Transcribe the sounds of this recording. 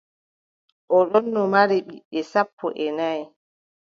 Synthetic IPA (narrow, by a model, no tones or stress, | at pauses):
ʔɔɗɔnːɔmaɾiɓḭɓːɛsapːɔ̰ʔɛnaj